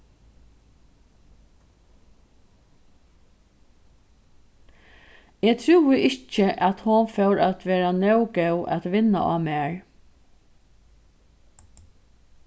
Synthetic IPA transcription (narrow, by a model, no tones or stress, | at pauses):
eːt̪ʰɾuwɪʔɪht͡ʃəʔæt̪hʊnfœwɾæt̪ʋeːɾanœwɡɛwʔæ̰t̪ʋɪnːa̰ʔa̰ːmɛːɹ